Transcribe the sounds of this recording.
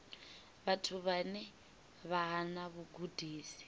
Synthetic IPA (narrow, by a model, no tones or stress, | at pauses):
βatʰuβanɛ | βaɦanaβuɡudʱiːsi̥